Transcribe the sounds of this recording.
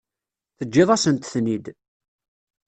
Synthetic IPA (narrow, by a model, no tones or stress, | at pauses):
θəd͡ʒːɪðˤæsənt̪θnid̪